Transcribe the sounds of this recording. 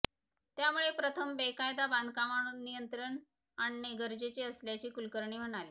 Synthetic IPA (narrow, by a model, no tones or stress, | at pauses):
t̪jamuɭepɾət̪ʰəmbekajd̪aband̪ʱkamaɳunijənt̪ɾəɳ | aɳineɡəɾd͡ʑet͡ɕeəsljat͡ɕiːkulkəɾɳiːm̤əɽ̃aliː